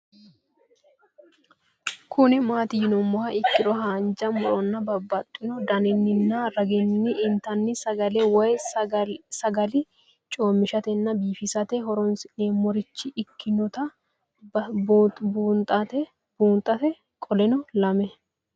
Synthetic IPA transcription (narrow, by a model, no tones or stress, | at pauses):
kʰʊnɪmaːt̪ɪjɪnɔmɔhɐɪkːɪɾɔhaːnd͡ʒɐmʊɾɔnːɐbɐbːɐt̪ʼːɪnɔd̪ɐnɪnːɪnːɐɾɐɡɪnːɪʔɪnt̪ɐnːɪsɐɡɐlɛwɐj | sɐɡɐlɪ | t͡ʃʼo̞ːmːɪʃɐt̪ɛnːɐbiːfɪsɐt̪ɛɦɔɾɔnsɪneːmɔɾɪt͡ʃːɪɪkːɪnɔt̪ɐ | buːnt̪ʼɐt̪ɛ | buːnt̪ʼɐt̪ɛ | kʼɔlɛnɔlɐmɛ